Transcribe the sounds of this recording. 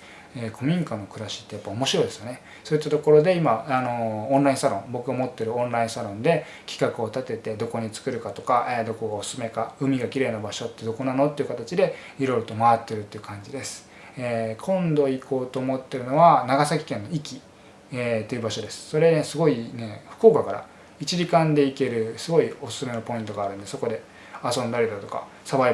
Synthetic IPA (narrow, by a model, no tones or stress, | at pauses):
eːkʰo̞mʲĩŋkanːo̞kɯ̟ɾaɕi̥t̪ːe̞japːao̞mo̞ɕiɾo̞id̪e̞sɨjo̞ne̞ | soːit̪ːat̪o̞ko̞ɾo̞d̪e̞imaano̞õnɾaĩsaɾõ̞ŋbo̞kɯ̟ɡamo̞t̪ːe̞ɾɯ̟õ̞nɾaĩsaɾõ̞nd̪e̞ | kʲi̥kakɯo̞t̪at̪e̞t̪e̞d̪o̞ko̞ɲ̟it͡sɨ̥kɯ̟ɾɯ̟kat̪o̞kaʔed̪o̞ko̞ɡaosɨ̥sɨme̞kaɯ̟mʲiɡakʲiɾe̞ːnabaɕo̞t̪ːe̞d̪o̞ko̞nano̞t̪ːe̞iɯ̟kat̪at͡ɕid̪e̞ | iɾo̞iɾo̞t̪o̞maat̪ːe̞ɾɯ̟t̪ːe̞iɯ̟kʰãɲ̟d͡ʑid̪e̞sɨ̥ | ekʰõ̞nd̪o̞iko̞ːt̪o̞ːmo̞t̪ːe̞ɾɯ̟no̞βanaɡasak̬ʲi̥kẽ̞nːo̞ikʲi | et̪ːe̞iɯ̟baɕo̞d̪e̞sɨ̥so̞ɾe̞nesɨɡo̞ine̞ɸɯ̥ko̞ːkakaɾa̰ | it͡ɕiʑikãnd̪e̞ike̞ɾɯ̟sɨɡo̞io̞sɨ̥sɨme̞nopo̞ĩnt̪o̞ɡaːɾɯ̟̃nd̪e̞so̞ko̞d̪e̞ | asõ̞nd̪aɾʲid̪ot̪o̞ka̰ | saβai